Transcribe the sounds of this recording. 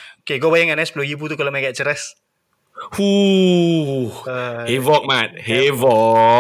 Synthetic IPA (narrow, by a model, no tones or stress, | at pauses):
okeɡobajaŋanɛsplojibut̪ukalamaɡɛt̪̚t͡ʃəɾɛs | hu | əhevɔk̚mat̪̚hevɔ